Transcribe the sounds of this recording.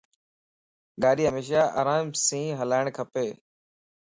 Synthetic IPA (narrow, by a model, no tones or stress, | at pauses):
ɡaːɗiːɦəmeːʃ̬aːʔa̰ːɾaːmsĩːɦəlaːɪɳkʰəpeː